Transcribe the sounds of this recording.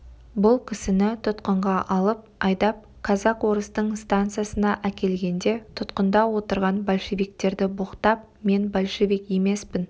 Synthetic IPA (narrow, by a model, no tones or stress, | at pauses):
bʊlˠkʲʰɪsɪnɪt̪ʰʊt̪qəɴʁɑʔɑlˠəp̚ɑjd̪ɑp̚ | kʰɑzɑqwo̞ɾəst̪əɴst̪ant̪sɨjasənɑʔækʲe̞lɡʲe̞nd̪e̞t̪ʰʊt̪qənd̪ɑwo̞t̪əɾʁɑnbolʲʃe̞vijkt̪e̞ɾd̪ɪbʊqt̪ɑp̚ | me̞nbolʲʃevijkje̞me̞spɪn